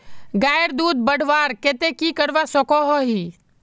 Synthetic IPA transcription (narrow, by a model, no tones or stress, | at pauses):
ɡaːjɾd̪uːd̪̚bəɽ̤ʋaːɾket̪ekikəɽʋasokoɦoɦiː